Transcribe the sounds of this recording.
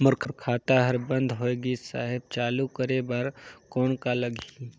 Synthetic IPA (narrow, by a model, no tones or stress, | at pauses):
mʊɾkʰəɾkʰaːt̪aɦəɾbə̃nd̪ʱɦoːeːɡisa̰ːɦɪb̚t͡ʃaːlukəɾebaɾkɔːnkaləɡʱi